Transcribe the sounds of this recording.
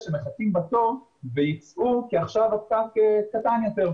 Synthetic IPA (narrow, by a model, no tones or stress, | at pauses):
ʃemeχatimbato̞ʁ | vejit͡sʔukiaχʃavafkakekatanjo̞teʁ